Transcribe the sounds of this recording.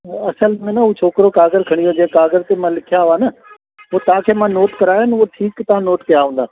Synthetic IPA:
ɐsəlmẽnaut͡ʃʰoːkɾokaːɡəɾkʰɐɽ̃ijõd͡ʑɐ̃ɦɪ̃kaːɡəɾt̪emãlɪkʰijaoaːnɐ | ʋoːt̪ɐãkʰeːmãnoːʈkɐɾaːɦenoʈʰiːkt̪ɐʋãnoːʈkɐjaːʋõːn̆d̪aː

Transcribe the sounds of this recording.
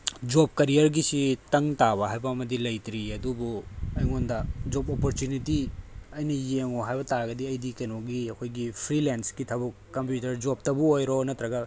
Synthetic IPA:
d͡ʒop̚kɐɾijɐɾɡisitɐŋtaβɐɦajbɐːmɐdilɐjtɾiɐdubuɐjŋondɐd͡ʒopɔpoɾtjunitiɐjnɐjeŋoɦajbɐtaɡɐdiɐjdikɐnoɡiɐkʰojɡipʰɾilenskitʰɐbuk̚ːɐmpjutɐɾd͡ʒop̚tɐbuojɾonɐt̪ɾɐɡɐ

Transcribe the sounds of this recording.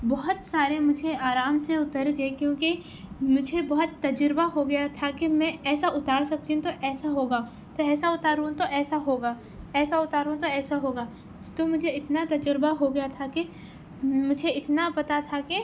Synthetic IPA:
bɐɦʊt̪saːɾemʊd͡ʒʱeaːɾaːmseʊt̪əɾɡɐekjõːke | mʊd͡ʒʱebɐɦʊt̪ːɐd͡ʒəɾbaɦoɡɐjat̪ʰakemɛ̃ɛːsaʔʊt̪aːɾsɐk̚t̪iɦũt̪oʔɛːsaɦoːɡaː | t̪oɛːsaʊt̪aːɾũt̪oʔɛːsaɦoːɡaː | ɛːsaʊt̪aːɾũt̪̬oɛːsaɦoːɡaː | t̪omʊd͡ʒʱeɪt̪nat̪ɐd͡ʒəɾbaɦoɡɐjat̪ʰake | mʊd͡ʒʱeɪt̪napɐt̪at̪ʰake

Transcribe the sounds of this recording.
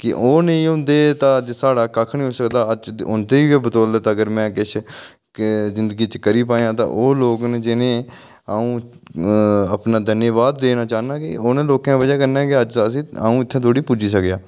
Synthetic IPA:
kɪʔoːnəĩːʊ̃nd̪eːt̪ãːd͡ʒsaːɽaːkakʰnĩːɦoːsəkd̪aːəd͡ʒʊnt̪eːbət̪ɔːlt̪aːəɡəɾmɛ̃ːkɪt͡ʃʰ | zɪnd̪ɡiːt͡ʃəkəɾiːp̬aːjãːt̪ã̰ːʔoːloːkneːd͡ʒɪnẽː | aːũː | əpnãːd̪ənjəːʋaːd̪ːeːnaːt͡ʃaːnaːkɪ̰oːnẽːloːkãːʋəd͡ʒaːkəɾneːɡeəd͡ʒəsĩːaːũːɪt̪ʰːẽːt̪ʰoːɽiːpud͡ʒiːs̬əkjaː

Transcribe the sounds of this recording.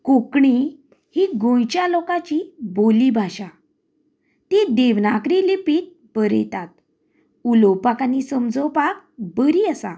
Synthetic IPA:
kokɳi | hiɡõjt͡ɕjalokat͡ɕibolibʱaɕa | t̪id̪eʋnakɾilipiːt̪̚ | b̥əɾɛ̰t̪at̪̚ | ulɔwpakanisəmd͡zɔwpak̚ | bəɾiːəsa̰

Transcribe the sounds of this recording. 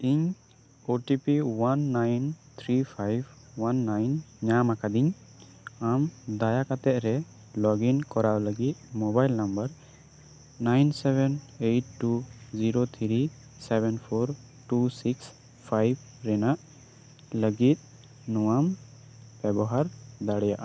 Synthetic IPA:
iɲ | oʈipiwanːajnt̪ʰɾipʰajbwanːajnɲamakʰad̪iɲ | amd̪ajakat̪ɛʔ̚ɾɛ | lɔɡinkɔɾaləɡit̪̚mɔbajlnambəɾ | najnsɛbɛn | ejʈːuziɾot̪ʰɾi | sɛbɛnpʰɔɾ | ʈusiks | pʰajb̚ | ɾɛnaʔ | ləɡit̪̚ | nɔwam | b̥ɛbɔɦaɾd̪aɽɛjaʔa

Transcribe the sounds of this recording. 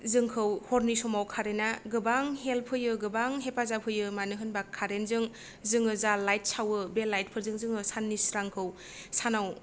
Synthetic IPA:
zɯŋkʰɯwhɔɾnisɔmawkʰaɾenaɡɯbaŋhelpʰɯjɯɡɯbaŋɦepʰazapʰɯjɯmanɯɦɯnbakʰːaɾenzɯŋ | zɯŋɯzalajt̚sawɯbelːajt̚pʰɯɾzɯŋzɯŋɯsanːisɾaŋkʰɯw | sanaw

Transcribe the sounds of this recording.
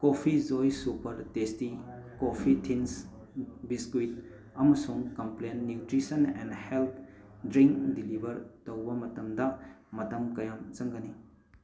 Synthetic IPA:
kopʰizojsupɐɾtestikopʰitʰins | biskwit̚ | ɐmɐsuŋkɐmplenːutɾisɐnɛ̰ndhelt̪̚ʰdɾiŋkdilibʱɐɾtowbɐmɐtɐmdɐmɐtɐmkɐjamt͡ʃɐŋɡɐni

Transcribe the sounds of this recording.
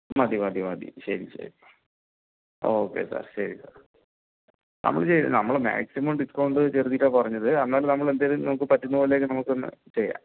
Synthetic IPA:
mɐd̪imɐd̪imɐd̪ḭɕɐɾit͡ɕḛjulːo | oːkːḛːsa̰ːrɕɐɾisaːr | nʔɐ̰mːɐ̰ɭt͡ɕej̰ːnɐmːɐɭma̰ːksimɐmɖiskɐɳɖɨt͡ɕerðitːaːpɐrɐɲːɐðɨɐnːaːlnɐmːɐɭe̞nd̪eːɾunɐmukːɨpɐtːunːɐbo̞ːlileːkːɨnɐmukːɨenːɨ̰t͡ɕe̞jːa̰ː

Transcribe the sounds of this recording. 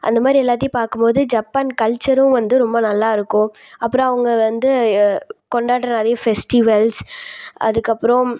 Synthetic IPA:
ʔɐ̰nd̪ɐmaːd̪ɾiɛlːaːt̪̬ːipaːɾkɯmpoːðɯd͡ʒɐpːaːnkɐlt͡ʃːɐɾʊ̃ʋɐnd̪ɯɾɔmbɐnɐlːaːɪɾɯkːʊ̃ | ɐpːɯɾõɐʋɐŋɡɐʋɐnd̪ɯ | kɔɳɖaːʈːɐnaɾɐɪjɐfɛsʈɪʋɐlsɐ̰ðɯkːɐpːɯɾɔ̃

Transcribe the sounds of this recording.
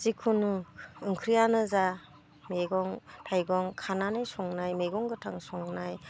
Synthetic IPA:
zikʰunuɯŋkʰɾijanɯza | meɡɔŋtʰajɡɔŋkʰananɯjsɔŋnajmeɡɔŋɡɯtʰaŋsɔŋnaj

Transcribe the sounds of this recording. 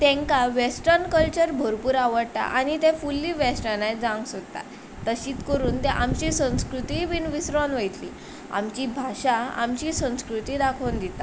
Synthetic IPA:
t̪ɛ̃ŋkaʋesʈəɾnkəlt͡ɕəɾbʱəɾpuɾaʋəɽt̪a̰ʔanit̪ɛ̃fulːiʋɛsʈənajd͡zãŋɡsot̪a̰ | t̪əɕiːt̪kəɾuːnt̪ɛʔamt͡ɕisə̃w̃skɾut̪iʋinʋisɾɔnʋəjt̪lḭː | a̰mt͡ɕibʱaɕaa̰mt͡ɕisə̃w̃skɾut̪iːd̪akʰənd̪it̪a

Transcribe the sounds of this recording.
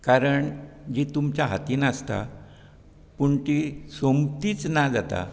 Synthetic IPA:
kaɾəɳd͡ʑiːt̪umt͡ɕjaɦat̪iːnast̪a̰ | puɳt̪isomt̪iːt͡snad͡zat̪a̰

